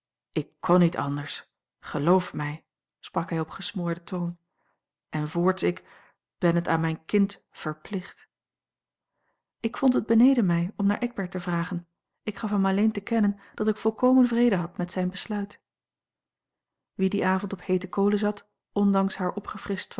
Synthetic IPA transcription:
ɪkːʰɔnitɑ̰ndəɹs | χəlowfmɛj | sprɑkɦɛjɔpχəsmʊːɹdətʰown | ʔɛnvʊːɹtsɪk | b̥ɛnɦəta̰ːnmɛjnkɪnt | fəɹplɪχt | ɪkfɔntɦəd̚bənejdəmɛjɔmnaːɹʔɛɡ̚bɛɹtəvraːχən | ɪkχɑfɦɛmɑlejntəkɛnənd̥ɑtɪkfɔlˠkowmənvrejdəɦɑtmɛtsɛjnbəslœɥt | ʋidiʔaːvɔntɔphejtəkowləzɑt | ɔndɑŋsɦaːɹʔɔpχəfrɪst

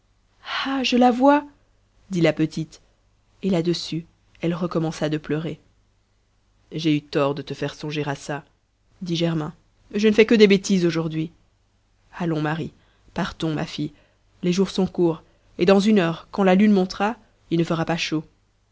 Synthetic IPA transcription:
aʒəlavwa | d̪ilapət̪it̪ | elad̪əsy | ɛlʁəkɔmɑ̃sad̪əplœʁe | ʒeyt̪ɔʁd̪ət̪əfɛʁsɔ̃ʒeʁasa | d̪iʒɛʁmɛ̃ | ʒənəfɛkəd̪ebet̪izoʒuʁd̪ɥi | alɔ̃maʁi | paʁt̪ɔ̃ma̰fi | leʒuʁsɔ̃kuːʁ | ed̪ɑ̃zynœʁkɑ̃lalynmɔ̃t̪χa | ilnəfəʁapaʃo

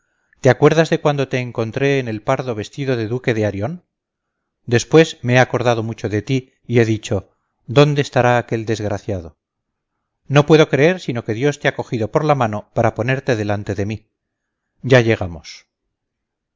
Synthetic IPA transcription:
t̪eakwe̞ɾðazðe̞kwand̪o̞t̪e̞ːŋko̞nt̪ɾe̞ːne̞lpaɾðo̞βe̞st̪iðo̞ðe̞ðuke̞ðeaɾjo̞n | d̪e̞spwe̞zmeeako̞ɾðaðo̞mut͡ʃo̞ðe̞t̪iː | e̞ðit͡ʃo̞ | d̪o̞nd̪e̞ːst̪aɾaːke̞ld̪e̞zɣɾaθjaðo̞ | no̞pwe̞ðo̞kɾe̞e̞ɾsino̞ke̞ðjo̞st̪eako̞xiðo̞po̞ɾlamãno̞paɾapo̞ne̞ɾt̪e̞ðe̞lant̪e̞ðe̞mi | ɟ͡ʝaʝe̞ɣ̞amo̞s

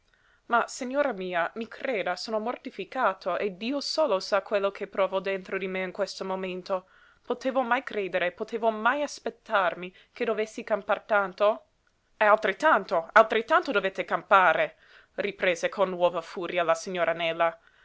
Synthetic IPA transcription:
masiɲːoːɾamiːamikʰreːd̪asoːnomort̪ifikaːt̪ʰoʔed̪iːosoːlosakwelːokʰepɾɔːvod̪ent̪ɾod̪imeŋkwest̪omoment̪o | pot̪eːvomajkɾeːd̪eɾepot̪ʰeːvomajaspet̪ːarmi | ked̪ovesːikampart̪ant̪o | ɛalt̪ɾet̪ːant̪oalt̪ɾet̪ːant̪od̪ovet̪ːekampaːɾe | ripɾeːzekʰonːwɔːvafuːɾjalasiɲːoːɾʔanɛlːa

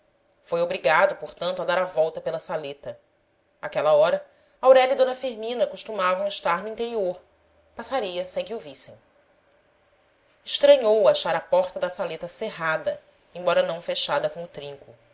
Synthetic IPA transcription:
fojobɾiɡad̪ʊpoɾt̪ɐ̃nt̪ʊɐd̪aɾavɔwt̪ɐpelɐsalet̪ɐ | akɛlɐɔɾɐ | awɾɛʎɐid̪õnɐfiɾmĩnɐkuʃt̪umavɐ̃ɪʃt̪aɾnuĩt̪eɾioɾ | pasaɾiɐsẽj̃kɪovisẽj̃ | ɪʃt̪ɾɐ̃ɲowaʃaɾɐpɔɾt̪ɐd̪ɐsalet̪ɐseɦad̪ɐ | ẽbɔɾɐnɐ̃w̃feʃad̪ɐkõʊt̪ɾĩŋkʊ

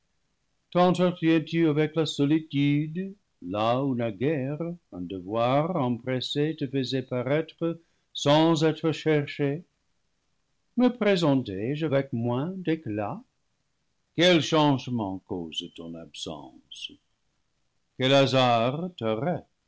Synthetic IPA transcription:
t̪ɑ̃t̪ət̪jɛ̃t̪yavɛklasɔlityd̪ | launaɡɛʁə̃d̪əvwaʁɑ̃pʁɛset̪əfəzɛpaʁɛt̪χə | sɑ̃zɛt̪ʁəʃɛʁʃe | məpʁezɑ̃tɛʒavɛk̚mwɛ̃dekla | kɛlʃɑ̃ʒmɑ̃ko̰zt̪ɔ̰̃na̰bsɑ̰̃s | kɛlazaʁt̪əʁɛt

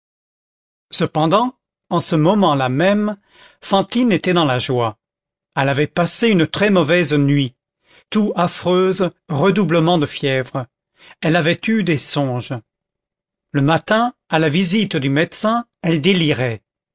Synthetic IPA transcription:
səpɑ̃d̪ɑ̃ | ɑ̃səmɔmɑ̃lamɛm | fɑ̃t̪inet̪ɛd̪ɑ̃laʒwa | ɛlavɛpaseynət̪χɛmɔvɛznɥi | t̪uafχøːzʁəd̪ubləmɑ̃d̪əfjɛvʁə | ɛlavɛt̪yd̪esɔ̃ʒ | ləmat̪ɛ̃alavizit̪d̪ymɛt̪sɛ̃ɛld̪eliʁɛ

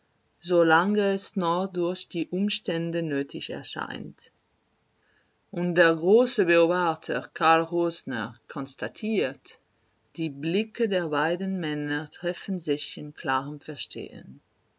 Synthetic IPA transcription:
zolaŋəɛsnɔχdʊɐçd̥iːʔʊmʃtɛndənøːtʰɪçɛ̰ɐʃa̰ɪnt | ʔʊntd̥eːɐɡʁoːsəbəoːbaχtʰəkʰaɐlʁoːznə̰kʰɔnstatʰiːt | d̥iːblɪkʰədeːɐbaɪdən̩mɛnətʁ̥ɛfn̩zɪçɪnkʰl̥aːʁəmfɛɐʃtʰḛːə̰n

